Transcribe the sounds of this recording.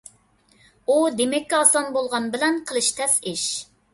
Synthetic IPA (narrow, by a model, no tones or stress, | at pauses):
ud̪emɛkʲːiɑsɑnbolˠʁɑnbɪlɛnqʰəlˠɨʃt̪ʰɛsɪʃ